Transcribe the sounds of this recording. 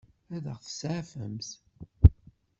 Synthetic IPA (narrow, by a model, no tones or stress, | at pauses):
æðəʁθə̥sʕafə̰mθ